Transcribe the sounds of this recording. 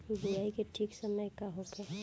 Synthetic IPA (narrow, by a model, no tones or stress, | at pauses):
biaːikeʈʰiːksəməjkaɦoke